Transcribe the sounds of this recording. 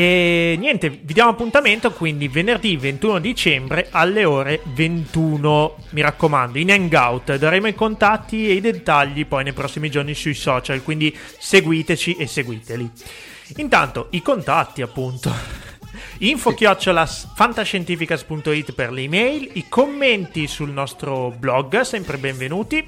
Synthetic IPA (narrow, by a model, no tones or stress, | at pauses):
ɛnjɛnt̪evid̪jaːmoapːunt̪ament̪okwind̪ivenerd̪ivent̪uːnod̪it͡ʃɛmbɾeʔalːeoːɾevent̪uːno | miɾakːomand̪oinɛŋɡawt̪d̪aɾeːmoikont̪at̪ːieid̪et̪ːaʎːipɔjnejpɾɔsːimid͡ʒornisujsɔːt͡ʃalkwind̪i | seɡwiːt̪et͡ʃiʔesːeɡwiːt̪eli | int̪a̰nt̪oikont̪at̪ːiapːunt̪o | iɱfok̟jɔt͡ʃːolasfant̪aʃent̪iːfikaspunt̪oit̪ːperlimɛjlikʰomːent̪isulnɔst̪ɾoblɔɡsɛmpɾebeɱvenuːt̪i